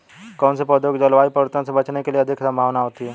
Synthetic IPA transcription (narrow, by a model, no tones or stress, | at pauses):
kɔːnsepod̪joːɡd͡ʒəlʋaːipəɾt̪õsebɐt͡ʃnekelieɐd̪ʱɪksɐ̃mbʱaːʋnaɦoːt̪iɦɛː